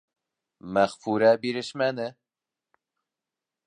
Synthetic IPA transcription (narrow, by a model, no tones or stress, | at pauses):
mæχfuɾɛbiɾɪʃmænɪ